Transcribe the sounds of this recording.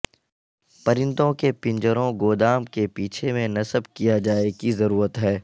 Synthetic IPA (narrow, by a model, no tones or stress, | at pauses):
pɐɾɪ̃nd̪õkepɪ̃ɲd͡ʒəɾõɡoːd̪aːmkepiːt͡ʃʰemẽnɐsəbkijad͡ʒaːekizɐɾuːɾət̪ɦɛː